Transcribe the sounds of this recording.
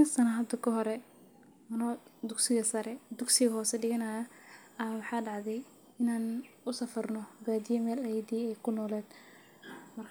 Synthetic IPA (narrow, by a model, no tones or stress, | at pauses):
ɪsɐnɐɦɐd̪ɐkʰɐɦɔɾɛ | mɐnɔd̪ʊɡsɪɣɐsɐɾɛd̪ʊɡsɪɣɐɦɔːsɛɖɪɣɐnɐːjɐ | ɐwɑħɑːɖɑʕðɛj | ɪnaːn | ʊsɐfɐrnɔbaːd̪ɪjɔmɛːlajɐd̪iːɛjkʰʊnɔːlɛːd̪̥ | mɐrkʰ